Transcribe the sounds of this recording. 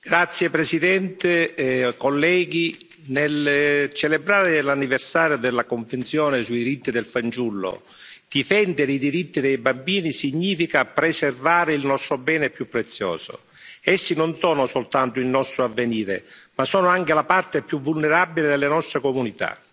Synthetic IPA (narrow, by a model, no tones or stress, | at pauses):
ɡ̥ɾat̪sːjepɾesid̪ɛnt̪ekolːɛːɡi | nelt͡ʃelebɾaːɾelanːiversaːɾjod̪elːakoɱvent̪sjɔːnesuid̪iɾit̪ːid̪elfant͡ʃulːo̰ | d̪̥ifɛnd̪eɾeid̪iɾit̪ːid̪ɛjbambiːnisiɲːiːfikapɾeservaːɾeilnɔst̪ɾobɛːnɛpjupːɾet̪sːjɔ̰ːzo̰ | ɛsːinonsɔːnʊsolt̪ant̪ʊilnɔst̪ɾoavːeniːɾḛmasɔːnʊaŋk̟elapart̪epjuvːulneɾabiled̪elːenɔst̪ɾekomunit̪a̰